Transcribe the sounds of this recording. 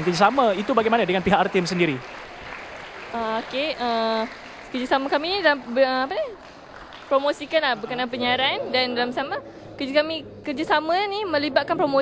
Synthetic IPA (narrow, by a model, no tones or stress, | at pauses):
nkəd͡ʒasamait̪ubaɡajmanadəŋanpiɦakart̪ims̬əndiɾi | ʔəokeə | kəd͡ʒasamakaminidalambəapani | pɾomosikanlahbəkənãnpəɲaɾandandalamsama | kəd͡ʒakami | kərd͡ʒasamanimə̃libat̪̚kanpɾomo